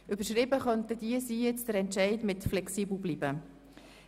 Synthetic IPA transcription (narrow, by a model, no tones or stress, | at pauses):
ʔʏbəɾʃɾɪbəχœntəd̥iəsiːjɛt͡sd̥əɾɛntʃɛɪdmɪtflɛksiːbl̩ˠbliːbə